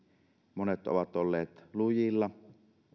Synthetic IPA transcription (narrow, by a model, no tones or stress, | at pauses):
monet̪o̰ʋɑt̪olːeːt̪lujilːɑ